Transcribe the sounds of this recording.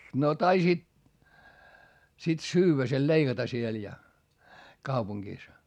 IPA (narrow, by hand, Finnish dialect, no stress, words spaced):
no tɑisiːt sit syːwːæ sel leiɡ̊ɑtɑ siel jɑ kɑupuŋɡ̊iˑs